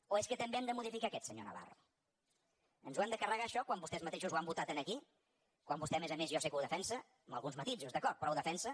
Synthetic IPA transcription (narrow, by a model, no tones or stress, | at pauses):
oeskət̪əmbeɛmd̪əmuðifikaːkɛt̪səɲo̰nə̰βa̰rṵ | ənzwand̪əkərəɣaːʃɔkwambust̪ɛzmət̪eʃuzwambut̪at̪ənəki | kwambust̪ɛmezəmezjɔsekəuwðəfɛnsə | əməlˠɣunzmət̪iʎzuzðəkɔɾt̪̚pɾɔwðəfɛnsə